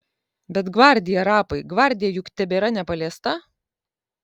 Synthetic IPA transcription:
bʲɛt̪ɡʋɐɾʲd̪ʲɪjɛɾɑːpɐɪɡʋɐɾʲd̪ʲɪjɛjʊkt̪ʲɛbʲeːɾɐnʲɛpɐlʲɛst̪ɐ

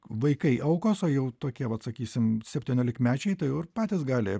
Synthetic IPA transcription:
ʋɐɪkɐɪʔɐʊkoːsoːjɛʊt̪oːkʲiɛʋɐt̪sɐkʲiːsʲɪmsʲɛpʲtʲiːnʲoːlʲɪkmʲæːt͡ʃʲɛɪt̪ɐɪʊɪrpɑːt̪ʲɪsɡɑːlʲɪ

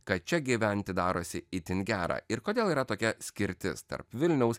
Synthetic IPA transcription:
kɐt̪̚t͡ʃʲɛɡʲiʋʲɛnʲt̪ʲɪd̪ɑːɾoːsʲɪit̪ʲɪnɡʲæːɾɑ̰ːɪɾkoːd̪ʲeːlˠiːɾɐt̪oːkʲɛsʲkʲɪɾʲt̪ʲɪ̰st̪ɐ̰ɾpʋʲɪlʲnʲɛʊs

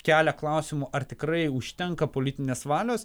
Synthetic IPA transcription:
kʲæːlʲɛklˠɐʊsʲɪmʊʔɐrt̪ʲɪkɾɐɪʊʃʲt̪ʲɛŋkɐpoːlʲɪt̪ʲɪnʲeːsʋɑːlʲoːs

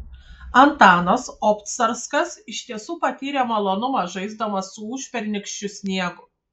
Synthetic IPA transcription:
ɐnt̪ɑːnɐsɔpt̪sɐɾskɐsɪʃʲt̪ʲiɛsuːpɐt̪ʲiːɾʲɛmɐlˠonʊmɑʒɐɪzd̪ɐmɐsːʊuːʃʲpʲɛɾʲnʲɪkʃʲt͡ʃʲʊsʲnʲiɛɡʊ

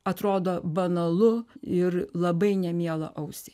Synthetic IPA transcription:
ɐt̪ɾoːd̪oːbɐnɐlˠʊɪrlˠɐbɐɪnʲɛmʲiɛlˠɐ̰ʔɐʊsʲɪ

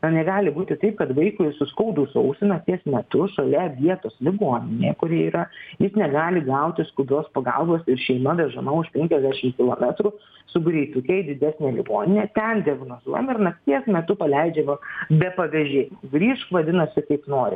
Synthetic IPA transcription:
nɐnʲɛɡɑːlʲɪbuːt̪ʲɪt̪ɐɪp̚kɐt̪ʋɐɪkʊɪsʊskɐʊd̪uːsɐʊsʲɪnɐt̪ʲiɛsmʲɛt̪ʊʃɐlʲɛʋʲiɛt̪oːslʲɪɡoːnʲɪnʲḛːkʊɾʲiɛiːɾɐjɪsnʲɛɡɑːlʲɪɡɐʊt̪ʲɪskʊd̪ɾoːspɐɡɐ̰lˠboːsɪɾʃʲɛɪmɐʋʲɛʒɐmɐʊʃpʲɛŋʲkʲɛzʲd̪ʲæːʃʲɪmkʲɪlˠoːmʲæt̪ɾʊ | sʊɡɾʲɛɪt̪ʊkʲɛɪd̪ʲɪd̪ʲæsʲnʲeːlʲɪɡoːnʲɪnʲɛːt̪ʲɛnd̪ʲɪɐɡnoːzuɔjɛmɪɾnɐkt̪ʲiɛsmʲɛt̪ʊpɐlʲɛɪd͡ʒʲɛʋɐbʲɛpɐʋʲɛʒʲeːjɪmɡɾʲiːʃʋɐd̪ʲɪnɐsʲɪkɐɪpnoːɾʲɪ̰

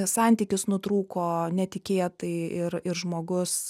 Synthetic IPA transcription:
sɑˑnʲt̪ʲiːkʲʊsnʊt̪ɾuːkoːnʲɛt̪ʲɪkʲeːt̪ɐɪɪɾɪɾʒmoːɡʊs

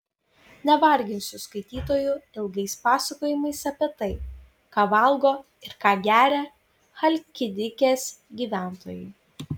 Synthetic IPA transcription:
nʲɛʋɐˑɾʲɡʲɪnʲsʲʊskɐɪt̪ʲiːt̪oːjʊɪlˠɡɐɪspɑːsɐkoːjɪmɐɪsɐpʲɛt̪ɐɪ | kɑːʋɐlˠɡoː | ɪɾkɑːɡʲæːɾʲɛ | xɐlʲkʲɪd̪ʲɪkʲeːsɡʲiːʋʲæˑnt̪o̰ːjɛ̰ɪ

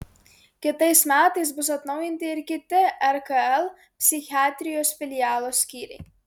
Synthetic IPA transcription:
kʲɪt̪ɐjsmʲæːt̪ɐjsbus̬ɐt̪nɐwjinʲt̪ʲiːɾkʲɪt̪ʲɪɛɾkaɛlˠ | pʲsʲixʲiaːt̪ʲɾʲijɔːsfʲilʲijaːlˠɔsʲkʲiːɾʲɛ̰

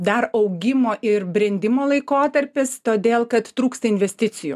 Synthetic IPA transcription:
d̪ɐɾɐʊɡʲɪmoːʔɪɾbʲɾʲɛnʲd̪ʲɪmoːlˠɐɪkoːt̪ɐɾʲpʲɪst̪oːd̪ʲeːlˠkɐt̪t̪ɾuːkst̪ɐɪnʲʋʲɛsʲt̪ʲɪt̪sʲɪjṵ

